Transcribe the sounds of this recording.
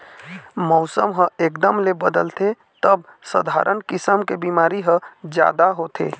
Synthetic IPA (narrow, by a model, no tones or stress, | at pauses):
mɔʊsəmɦə̃eːkd̪əmlebəd̪əlt̪e | t̪əbsə̰d̪ʱa̰ːɾʔənkɪsəmkebimaːɾiɦə̃d͡ʒja̰ːd̪aɦot̪ʰḛː